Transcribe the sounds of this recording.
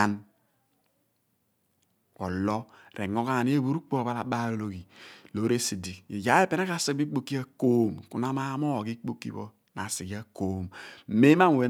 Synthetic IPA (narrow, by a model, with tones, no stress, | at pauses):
a˦n | o̰˨lɔ˦ɾe˨ŋo˦ɣa˦˨ni˦e˦βu˨˦ɾu˦k͡po˦˨βa˦la˨ba˦ɾo˨lo˨ɡi˨lo˨˦ɾe˦si˨di˨e˨d͡ʒa˨˦e˦pe˦na˦ka˨si˦k̚bi˦k͡po˦kːi˦a˦ko˦m˨ku˨na˦ma˦mo˦˨ɡi˦k͡po˦kːḭ˦βo̰˦ | na˨si˨ɡi˦a˦ko˦m˨me˦ma˦m˨we˨˦